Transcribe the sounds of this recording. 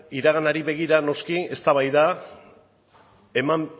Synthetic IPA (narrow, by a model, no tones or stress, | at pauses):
iɾaɣ̞anaɾiβe̞ɣ̞iɾano̞skie̞st̪aβajða | e̞mam